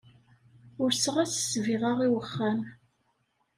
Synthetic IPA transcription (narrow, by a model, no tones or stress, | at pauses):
ʊɾsəʁæsə̥sviʁaʁiwəχːæm